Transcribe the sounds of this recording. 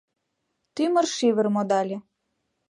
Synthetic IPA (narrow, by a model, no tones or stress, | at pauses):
t̪ymə̆rʃiβə̆rmod̪ɑlʲe